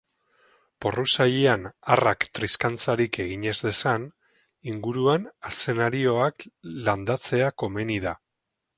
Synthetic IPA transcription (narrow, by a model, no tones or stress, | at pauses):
po̞rusajeanarakt̪ɾiskant͡saɾike̞ɣ̞iɲe̞zðe̞san | iŋɡuɾuanase̞naɾio̞akland̪at͡se̞ako̞me̞niða